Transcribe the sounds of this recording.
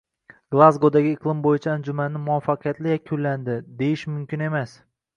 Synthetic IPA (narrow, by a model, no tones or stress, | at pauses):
ɡ̥lˠazɡod̪aɡʲɪɪqʰlˠɪmbojɪt͡ʃʰaːnd͡ʒʊmanːɪmʊafːaqʰɨjat̪lɪjakʲʰʊlːand̪ɪd̪e̞jɪʃmʊmkʲɪne̞mas